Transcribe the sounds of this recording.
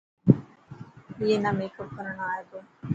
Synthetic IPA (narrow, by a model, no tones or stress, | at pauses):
ienamekokəɾəɳaːɦet̪oː